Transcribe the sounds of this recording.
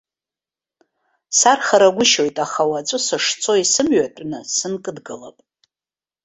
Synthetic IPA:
sarχaɾaɡʷʊʃo̞jtʼaχawat͡sʷʼʊsɨʂt͡sʰo̞isɨmɥatʼnɨsɨnkʼɨdɡɨla̰pʼ

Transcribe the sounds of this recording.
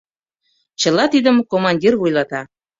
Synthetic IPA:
t͡ɕə̆lɑt̪id̪əmkomɑnʲdʲirvujlɑt̪ɑ

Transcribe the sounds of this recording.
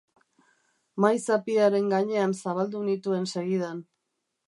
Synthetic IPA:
majsapiaɾe̞ŋɡaɲe̞ansaβald̪unit̪ue̞nse̞ɣið̞an

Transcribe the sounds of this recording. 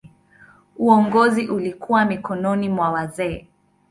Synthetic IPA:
uɔŋɡɔziʔulikuwamikɔnɔnimwawazɛː

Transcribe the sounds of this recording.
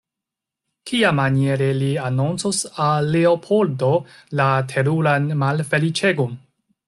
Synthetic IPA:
kʰiamanie̞ɾe̞lianunt͡sosaːe̞opʰoldolatʰe̞ɾulanmalfe̞lit͡ʃe̞ɡon

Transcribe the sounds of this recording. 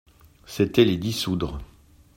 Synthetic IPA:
set̪ɛled̪isud̪ʁ

